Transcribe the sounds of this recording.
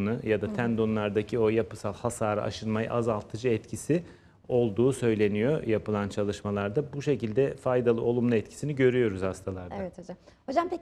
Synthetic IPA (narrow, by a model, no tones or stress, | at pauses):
nɯjad̪at̪ʰænd̪o̞nlˠaɾd̪acʰio̞japɯsalˠhasaːɾa̰ʔa̰ʃɯnmajɯ̰ʔazalˠt̪ʰɯd͡ʒɯɛt̪cʰisi | o̞lˠd̪uːsø̞jlʲe̞nijo̰japɯlˠant͡ʃʰalˠɯʃmalˠaɾd̪abuʃe̞cilʲd̪ɛfajd̪alˠɯo̞lˠumlˠuɛt̪cʰi̥siniɟø̞ɾyjo̞ɾuzhast̪ʰalˠaɾd̪a | hod͡ʒampe